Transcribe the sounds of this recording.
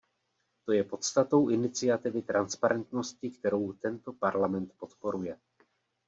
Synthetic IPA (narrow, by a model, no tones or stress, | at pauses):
t̪o̞jɛpo̞t̪st̪at̪o̞wʔɪnɪt͡sɪat̪ɪvɪt̪ɾanspaɾʔɛnt̪no̞scɪkt̪ɛɾo̞wt̪ɛnt̪o̞paɾlamɛnt̪po̞t̪po̞ɾujɛ